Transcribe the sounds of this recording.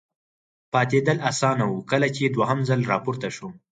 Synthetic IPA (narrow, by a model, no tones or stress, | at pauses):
pɑt̪ed̪əlasɑnawukəlat͡ʃed̪waɦamzəlɾɑpuɾt̪aʃu